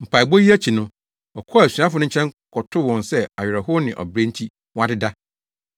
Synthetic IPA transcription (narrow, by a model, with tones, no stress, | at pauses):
m̩˨pʰa˨i˨bo˦ji˦æ˦t͡ɕʰi˨nʊ̃˦ | ɔ˨kʰɔ˦˨æ˨sɥã˦fʊ˦nʊ̃˦ɲ̩˦t͡ɕʰɛ̃˦ŋkʰɔ˨tʰʊ˦wɔ̃˨nsɛ˦a˨ɥᶣɪ˨ɾɛ˨ɦʊ˦nɪ̃˨ʔɔ̰˨bɾẽ˦n˦tʰi˦ | wɔ̃˦a˦dɪ˦da˦